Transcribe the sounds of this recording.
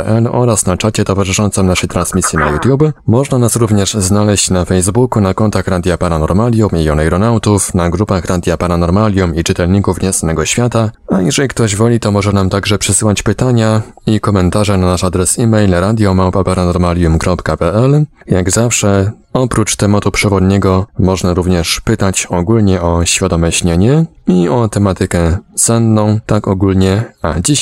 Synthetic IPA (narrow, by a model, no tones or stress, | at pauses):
ʔɛlɔ̰ɾasnat͡ʂat͡ɕɛt̪ɔvaʐɘʂɔnt̪sɛmnaʂɛjt̪ɾansmʲisʲjina̰jut̪ʲjubɘmɔʐnanasɾuvɲɛʐznalɛɕt͡ɕnafɛjzbukunakɔnt̪axɾad̪ʲjapaɾanɔɾmalʲjumiɔnajɾɔnawt̪ufnaɡɾupaxɾad̪ʲjapaɾanɔɾmalʲjumit͡ʂɘt̪ɛlɲikufɲɛsanɛɡɔɕfʲjat̪aajɛʐɛlʲik̚t̪ɔʑvɔlʲit̪ɔmɔʐɛnamt̪aɡʐɛpʂɘsɘwat͡ɕpɘt̪aɲa | ikɔmɛnt̪aʐɛnanaʂad̪ɾɛsimɛjlɾad̪ʲjɔmawpapaɾanɔɾmalʲjumkɾɔpkapɛʔɛl | jaɡzafʂɛ | ɔpɾut͡ʂt̪ɛmat̪upʂɛvɔd̪ɲɛɡɔmɔʐnaɾuvɲɛʂpɘt̪at͡ɕɔɡulɲɛʔɔɕfʲjad̪ɔmɛɕɲɛɲɛiɔt̪ɛmat̪ɘkɛsɛnːɔ̃w̃t̪akɔɡulɲɛa̰d͡ʑiɕ